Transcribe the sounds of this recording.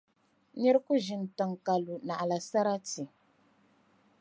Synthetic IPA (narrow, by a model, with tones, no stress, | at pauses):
ɲɛ˦ɾku˦ʒi˨n˨ta˨ŋ˨ka˨lu˨na˨ʔa˨la˨sa˦ɾa˦ti˨